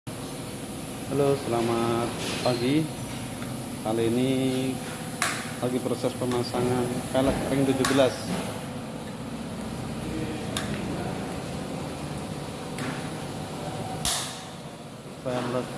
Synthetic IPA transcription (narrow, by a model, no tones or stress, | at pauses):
halosəlamat̪̚paɡi | kaliːni | laɡipɾosɛspəmasaŋankalakaɾɪŋd̪ud͡ʒubəlas | sajamla